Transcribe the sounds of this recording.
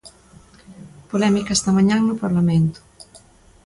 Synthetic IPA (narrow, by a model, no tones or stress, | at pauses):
polɛmikast̪ɐmãɲãŋnʊpaɾlamẽnt̪ʊ̥